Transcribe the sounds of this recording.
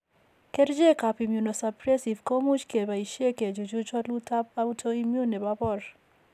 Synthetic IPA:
ke˦ɾd͡ʒe˦ka˨pi˨mju˨nɔ˨sa˨pɾɛ˦si˨vko˦mu˦t͡ʃke˨ba˨i˨ʃe˦ke˨d͡ʒu˨d͡ʒu˦t͡ʃɔ˦tlu˦tʰa˦p̚a˦u˦tʰo˦i˦mju˦nɛ˨ba˦bɔ˦˨ɾ

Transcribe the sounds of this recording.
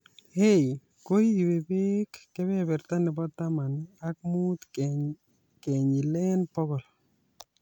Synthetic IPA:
he˦j | ko˦ji˨be˨be˦kːɛ˦bɛ˦bɛ˨ɾt̪a˦nɪ˨bɔ˦t̪ːa˦ma˨nak̚mu˦t̪ | ke˨ɲi˨lɛ˦npɔ˦ɡɔ˨l

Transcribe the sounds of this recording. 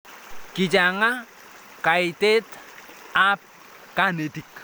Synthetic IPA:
ki˨d͡ʒa˨ŋa˦ | ka˨i˨te˦t | a˦p̚ | ka˦ne˨ti˨k

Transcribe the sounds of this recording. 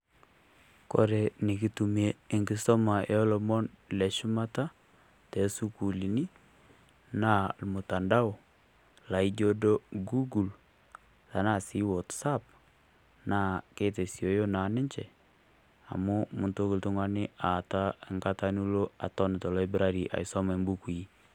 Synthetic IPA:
ko̰˨˦ɾe˨ni˨ki˦tu˨me˦ɪ˨ŋɡɪ˦sɔ˦ma˨jɔ˦lɔ˨mɔ˦nlɛ˨ʃʊ˦ma˦ta˦ | tɛ˨su˦ku˨li˨ni˦ | naː˦˨lmʊ˨ta˨nda˦o˨ | la˨i˦d͡ʒo˦do˦ɡu˦ɡu˨l | ta˨na˦˨si˦wɔ˨tsa˦p̚ | naː˦˨ke˦te˨sjo˨jo˦na˨nɪ˦ɲt͡ʃɛ˨ | a̰˨mu˦mʊ˨nto˦ku˨ltʊ˦ŋwa˦nɪ˦a˨ta˦ɪ˨ŋɡa˦ta˦nu˦lo˦a̰˨tɔ˦nɪ˨tɔ˨lɔ˦i˦bɾa˦ɾi˨ʔa̰˨jsɔ˦ma˨˦mbu˦ku˨i˦

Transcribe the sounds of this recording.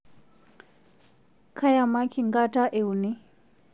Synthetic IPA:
kʰa˦ja˨ma˦kʰi˨ŋɡa˦ta˦ʔe˨u˨ni˦

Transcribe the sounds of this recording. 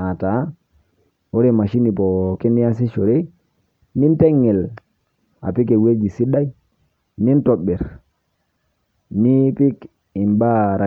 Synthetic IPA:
a˨ta˨˦ | wo˦ɾe˦˨ma˨ʃi˦ni˨po˨ki˦ni˦a˦s̬i˦ʃo˨ɾe˦ | ni˦nte˦ŋːe˨l | a̰˨pi˦k̬e˨we˦d͡ʒi˨si˦ɗa˦j | ni˦nto˨ɓe˨ɾ | ni˦pi˦k | i˨mba˦ɾa˨

